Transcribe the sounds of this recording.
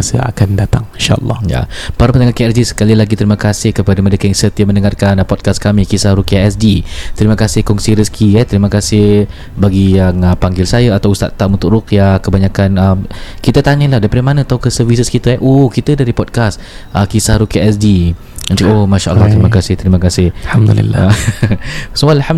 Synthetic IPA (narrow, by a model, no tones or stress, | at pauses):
asə̰a̰kandat̪aŋiʃa̰ʔə̰lːɑ̰hja̰paɾapəndəŋakiaɛsdisə̥kalilaɡit̪əɾimakasɪhkəpadamə̃dəkaŋsət̪iaməndəŋarkanpɔd̚kaskamikisahɾukiaɛs̬dit̪əɾimakasɪhkɔŋsiɾəskʰiɛt̪əɾimakasɪh | baɡijaŋəpaŋɡɪlsajaat̪awust̪a̰t̪ːaʔmunt̪ʊʔrukiakəbaɲakanəmkit̪ət̪aɲəlahdaɾipadamanat̪auwkəsərvisəskit̪əɛʔohkit̪ədaɾipɔd̚kas | ʔəkisahɾukiaɛsdi | ə̃t͡ʃuomaʃaʔə̰lːaht̪əɾimakasɪht̪əɾimakasɪhhamd̪lḭl | salham